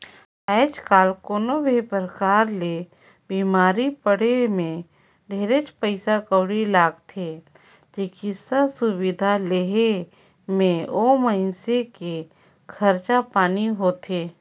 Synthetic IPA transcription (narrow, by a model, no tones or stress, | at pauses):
ɛːt͡ʃkaːlkoːnobʱipəɾəkaːɾle | biːmaːɾipəɽemẽ | ɖʱeːɾet͡ʃpəɪsakəːɽilaːɡt̪ʰe | d͡ʒekisəbsʊwɪd̪ʱaleɦe | mẽoːməɪnseke | kʰəɾt͡ʃapaːniɦoːt̪ʰeː